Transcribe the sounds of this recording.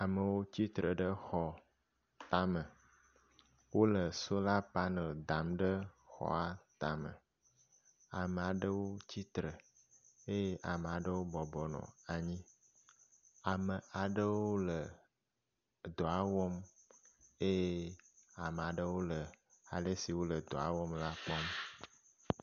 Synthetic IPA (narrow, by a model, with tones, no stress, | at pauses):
a˨mə˨wo˦t͡ɕi˦t̪ɾə˨ɖə˦xɔ˨ | t̪a˦mə˨ | wo˦lə˨so˦la˦pa˦nə̃˨d̪a˨mɖə˦xɔ̰˦a˦t̪a˨mə̰˨ | a˨mə˨a˨ɖə˦wo˦t͡ɕi˦t̪ɾə˨ | e˦je˦ʔa˨me˨a˨ɖə˦wo˦bɔ˨bɔ˨nɔ̰̃˨a˨ɲĩ˦ | a˨mə˨a˨ɖə˦wo˦lə˨ | d̪o˨a˦wɔ˦m | e˦je˦a˨me˨a˨ɖə˦wo˦lə˨ | a˨ɖe˦si˨wo˦lə˨d̪o̰˨a̰˨˦wɔ˦mla˦k͡pɔ˦m